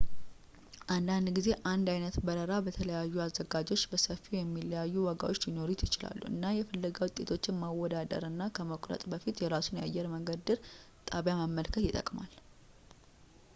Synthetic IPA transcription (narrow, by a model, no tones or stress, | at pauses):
ʔand̪and̪ɡize̞ʔand̪ajnət̪bəɾəɾabət̪ʰələjajːuazːəɡad͡ʒo̞t͡ʃːbəsəfːijɛmːiləjajːuwɔɡa̰wo̞t͡ʃːɪno̞ɾit̪jɪt͡ʃɪla̰lːṵɨ̰nːajɛfəlːəɡawʊt̪ʼːe̞t̪ʰo̞t͡ʃːɪnmawːɔd̪ad̪ə̰ɾɨnːakʰəməkʷʼɾə̰t̪ʼbəfit̪jɛɾasunja̰jːɛɾməŋɡəd̪ɨɾ | t̪ʼaβjaməmːəlkʰət̪jɪt̪ʼə̰kʼmal